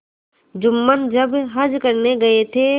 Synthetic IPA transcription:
d͡ʒʊmːənd͡ʒəbɦɐd͡ʒkəɾneɡɐet̪ʰe

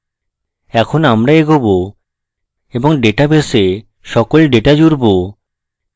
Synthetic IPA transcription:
ɛkʰonamɾaeɡobo | eboŋɖeʈabese | ʃɔkolɖeʈad͡ʑuɾbo

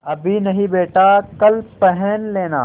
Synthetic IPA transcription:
ɐbʱinɐɦĩbeːʈakɐlpɛɦɛnleːna̰ː

